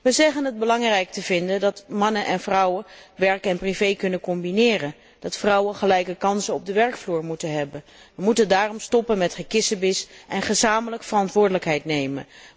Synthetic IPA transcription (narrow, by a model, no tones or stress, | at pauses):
ʋəzɛχənɦəd̚bəlɑŋrɛjk̚təvɪndəndɑtmɑnənʔɛnvrʌwəʋɛɹkɛnprivejkɵnəkɔmbinɪːrən | d̥ɑtfrʌwənχəlɛjkəkɑnsənɔb̚dəʋɛɹkfluːɹmutənɦɛbən | ʋəmutəndaːrɔmstɔpənmɛtχəkɪsəbɪsʔɛnχəzaːmələkfərɑntʋʊːɹdələkɦɛjtnejmə̰n